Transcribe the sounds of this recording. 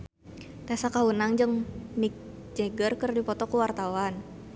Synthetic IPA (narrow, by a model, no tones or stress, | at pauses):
t̪aasakawunaŋd͡ʒɨŋnik̚ | d͡ʒeɡərkərdipɔt̪ɔkuwart̪awan